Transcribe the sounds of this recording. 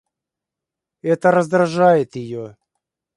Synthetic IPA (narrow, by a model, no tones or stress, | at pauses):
ɛt̪əɾəzd̪ɾɐʐajɪt̪jɪjo